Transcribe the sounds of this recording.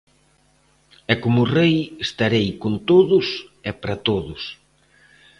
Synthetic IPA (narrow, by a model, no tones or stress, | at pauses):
ɛkomʊrejest̪aɾejkont̪oðʊsɛpɾat̪oðʊs